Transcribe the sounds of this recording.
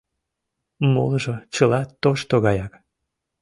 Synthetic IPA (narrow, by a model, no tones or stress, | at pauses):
mo̰lʒot͡ɕəlɑt̪ːoʃt̪oɣɑjɑk